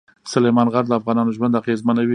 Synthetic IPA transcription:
sʊlemɑnɣaɾləafɣɑnɑnoʒwand̪aɣezmanawi

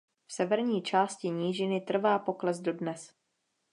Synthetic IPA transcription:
fsɛvɛɾɲiːt͡ʃaːscɪɲiːʒɪnɪt̪r̩vaːpo̞klɛzdo̞dnɛs

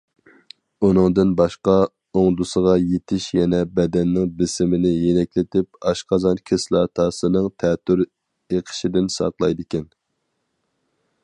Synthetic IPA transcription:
unɨŋd̪ɨnbɑʃqɑ | oŋd̪usəʁɑjet̪ʰɪʃjɛnɛbɛd̪ɛnːɪŋb̪ɪsɪmɪnɪjenɛkʲlɪt̪ʰɪp̚ɑʃqɑzɑnkʲʰeslˠɑːt̪ʰɑːsɨnɨŋt̪ʰɛːt̪ʰːyɾ | eqʰə̥ʃid̪ɪnsɑ̰qlˠɑjd̪ɪkʲɛn

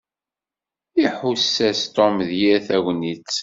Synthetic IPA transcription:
iħusːæst̪ɔmðjiɾθæɣʷnit͡sː

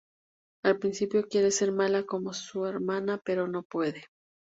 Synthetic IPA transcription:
alpɾinsipjo̞kje̞ɾe̞se̞ɾmalako̞mo̞sue̞ɾmanape̞ɾo̞no̞pwe̞ðe̞

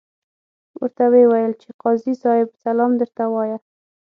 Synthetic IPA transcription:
wə̰ɾt̪awewajəlt͡ʃeqɑzisɑhɪbsalɑmd̪əɾt̪awɑja

